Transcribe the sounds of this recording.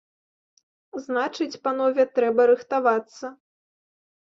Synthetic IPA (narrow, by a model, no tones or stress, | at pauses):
znat͡ʂɨt͡sʲpanɔvʲɛt̪ɾɛbɐɾɨxt̪avat̪sːɐ